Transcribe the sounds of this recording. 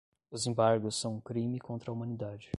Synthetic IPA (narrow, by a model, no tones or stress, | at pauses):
ʊzẽbaɾɡʊsːɐ̃w̃ũkɾĩmɪkõnt̪ɾɐumɐ̃nid̪ad͡ʒɪ